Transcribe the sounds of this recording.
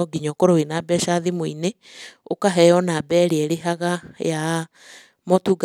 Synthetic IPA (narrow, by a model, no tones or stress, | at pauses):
ɔɡiɲɔkoɾoenabɛʃaðimoḭne | okaɦɛjɔnaːbɛɾeɛɾeɦaɣaja | motuɡ